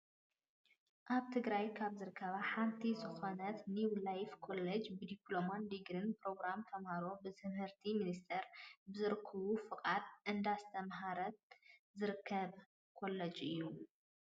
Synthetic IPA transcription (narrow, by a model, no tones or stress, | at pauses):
ʔaβt̪ʰɨɡɾajkʰaβzɨɾɨkʰːɐβaħant̪ʰizɨxonɐt̪niwlajfkʰo̞lːed͡ʒbɨd̪iplo̞mand̪iɡɾɨnpɾo̞ɡɾamt̪ʰɐmhaɾo̞bɨt̪ʰɨmhɨɾt̪ʰiminist̪ʰɐɾbɨzɨɾɨkʰːɐβufɨkʼat̪ʔɨnd̪ast̪ʰɐmɦaɾɐt̪̚zɨɾɨkʰːɐβ | kʰo̞lːɐd͡ʒɨjːu